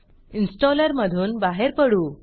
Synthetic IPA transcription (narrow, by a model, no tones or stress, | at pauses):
insʈɔləɾməd̪ʱuːnbaɦeɾpəɽuː